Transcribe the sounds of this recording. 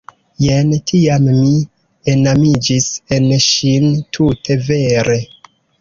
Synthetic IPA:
jentʰiamːi | enamid͡ʒise̞nʃintʰutʰe̞ve̞ɾe̞

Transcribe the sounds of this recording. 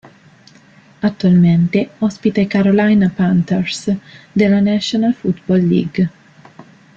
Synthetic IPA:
at̪ːualment̪eɔspit̪ekaɾolajnapant̪ersd̪elːanasonalfut̪bɔlːḭɡ

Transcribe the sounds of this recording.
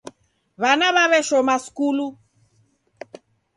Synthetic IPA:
βanaβaβɛʃɔmaskulu

